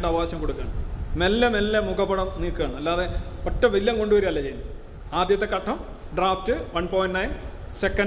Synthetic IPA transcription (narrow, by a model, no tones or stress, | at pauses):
ʈːɨɐʋɐaːɕɐmko̞ɽukːaːɳɐmelːemelːemukɐpːɐɽɐmniːkːɨaːɳɨmɐlːaːðe̞otːɐʋilːjɐmko̞ɳɖuʋɐɾuɐlːɐt͡ɕejunː | aːd̪jɐt̪ːe̞kɐʈʰːɐm | ɖraːftɨʋɐnpoːjnnɐjn | sekːɐ